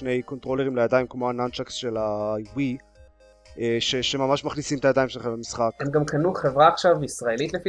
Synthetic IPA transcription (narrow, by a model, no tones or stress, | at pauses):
ne̞jko̞nt̪ʁo̞leʁimlajad̪aimkmoanant͡ʃaksʃelajwi | eʃeʃemamaʃmaχnisimet̪ajadaimʃelχemlamisχakemɡamkanuχevʁaːχʃavisʁae̞lit̪lefi